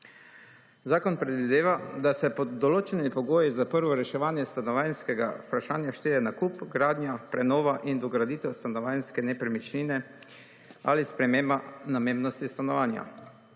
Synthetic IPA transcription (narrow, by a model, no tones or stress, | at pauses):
zaːkɔnpɾɛd̪ʋid̪eːʋad̪asɛpɔd̪ɔloːt͡ʃɛnimipɔɡoːjizapəɾʋɔɾɛʃɛʋaːnjɛst̪anɔʋanskɛɡa̰upɾaʃaːnjaʃt̪eːdɛnakupɡɾaːd̪njapɾɛnɔːʋaʔind̪ɔɡɾad̪iːt̪ɛwst̪anɔʋanskɛnɛpɾɛmit͡ʃliːnɛ | a̰lispɾɛmeːmbanameːmbnɔst̪ist̪anɔʋaːnja̰